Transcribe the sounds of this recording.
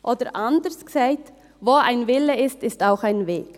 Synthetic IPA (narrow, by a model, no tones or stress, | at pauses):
ʔoːdəɾʔandəsksaɪt | voːʔaɪnvɪləɪstɪstaʊxaɪnvḛːk